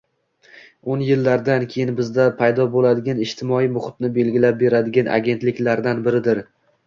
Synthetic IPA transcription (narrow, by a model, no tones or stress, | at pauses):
onjɪlːaɾd̪ankʲʰejɪnbɪzd̪apʰajd̪ɒbolad̪ɪɡʲanɪʃt̪ʰɪmɒijmʊχɪt̪nɪbe̞lɡʲɪlap̚be̞ɾad̪ɪɡʲanʔa̰ɡʲe̞nt̪lɪkʲlaɾd̪anbɪɾɪd̪ɪɾ